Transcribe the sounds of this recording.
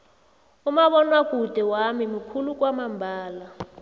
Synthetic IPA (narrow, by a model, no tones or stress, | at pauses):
umaɓɔnwakud̥ʱɛwamimikʰulukwamambʱaːla